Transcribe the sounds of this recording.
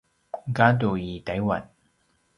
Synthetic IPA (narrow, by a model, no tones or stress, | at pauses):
kaːt̪ojiːt̪ɐjwɐ̰n